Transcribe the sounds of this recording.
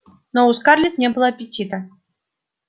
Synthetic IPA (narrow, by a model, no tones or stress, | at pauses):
nɔuskarlʲit̪nʲɛbɨlˠɐɐpʲit͡sʲit̪ɐ